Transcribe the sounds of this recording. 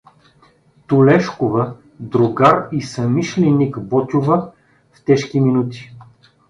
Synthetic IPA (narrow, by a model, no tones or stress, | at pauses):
t̪ʊlɛʃkovə | d̪ɾoɡaɾisɐmiʃlʲɛnikbɔt̪ʲʊvə | ft̪ɛʃkʲiminut̪i̥